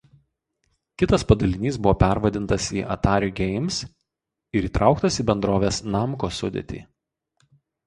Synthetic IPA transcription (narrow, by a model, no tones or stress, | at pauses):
kʲɪt̪ɐspɐd̪ɐlʲɪnʲiːs̬bʊʋoːpʲæɾʋɐd̪ʲɪnt̪ɐsiːʔɐ̰t̪ɑːɾʲuɡʲɛɪms | ɪɾiːt̪ɾʔɑˑʊkt̪ɐsiːbʲɛnd̪ɾoːʋʲeːsnɑmkoːsʊ̰d̪ʲḛt̪ʲḭː